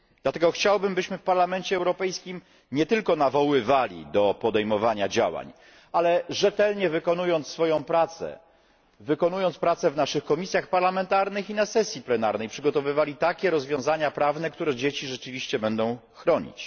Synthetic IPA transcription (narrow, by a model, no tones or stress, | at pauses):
d̪̥lat̪ɛɡɔxt͡ɕawbɘmbɘɕmɘfpaɾlamɛnt͡ɕɛːwɾɔpɛjskʲim | ɲɛt̪ɘlkɔnavɔwɘvalʲḭd̪ɔpɔd̪ɛjmɔvaɲad͡ʑa̰wa̰ɲ | alɛʐɛt̪ɛlɲɛvɘkɔnujɔnt̪sfɔjɔ̃w̃pɾat̪sɛ̰ | vɘkɔnujɔnt̪spɾat̪sɛvnaʂɘxkɔmʲisʲjaxpaɾlamɛnt̪aɾnɘxinasɛsʲjiplɛnaɾnɛjpʂɘɡɔt̪ɔvɘvalʲit̪akʲɛɾɔzvʲjɔ̃zaɲapɾavnɛkt̪uɾɛd͡ʑet͡ɕiʐɛt͡ʂɘvʲiɕt͡ɕɛbɛnd̪ɔ̃w̃xɾɔɲḭt͡ɕ